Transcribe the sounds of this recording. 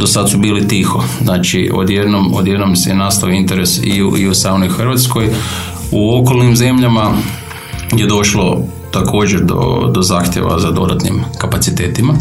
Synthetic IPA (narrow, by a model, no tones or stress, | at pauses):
d̪o̞sad̪subiːlit̪ixo̞znaːt͡ʃiʔo̰d̪je̞d̪nomo̰d̪je̞d̪nomsenaːst̪aʋoint̪e̞ɾesḭuiusanoixrʋat̪sko̞j | uo̞ko̞lnimze̞mʎama | je̞d̪o̞ʃlo̞ | t̪akʰo̞ːd͡ʑeɾd̪o̰d̪o̞zaːxt̪ʲjḛʋa̰zad̪o̞d̪at̪nḭmkapat̪sit̪e̞ːt̪ima